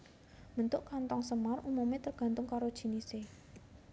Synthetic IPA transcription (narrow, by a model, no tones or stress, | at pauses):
mənt̪ʊʔkant̪ɔŋsəmarumumet̪ərɡ̥ä̤nt̪ʊŋkaɾod̥ʒ̥i̤nise